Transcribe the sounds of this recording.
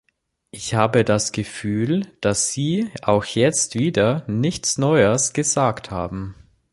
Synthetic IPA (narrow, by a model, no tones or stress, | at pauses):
ʔɪçhaːbədasɡ̥əfyːld̥asz̥iːʔaʊxjɛt͡stv̥iːdɐnɪçt͡snɔʏəsɡ̥əzaːktha̰ːbm̩